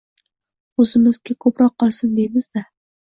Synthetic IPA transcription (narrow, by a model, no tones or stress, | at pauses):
ɵzɪmɪzɡʲakʰɵpɾɒqʰːɒlˠsɪnd̪ejmɪzd̪a